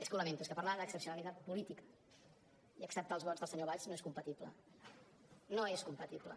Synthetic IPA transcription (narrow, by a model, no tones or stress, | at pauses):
eskuləmẽnt̪ueskəpərɾlaðəksəpsiunəlit̪at̪̚pulit̪ikə̥ | iəksəp̚t̪aəlˠzβɔdzðəlsəɲoβaʎznoeskumpət̪iplə̰ | noeskumpət̪iplə̰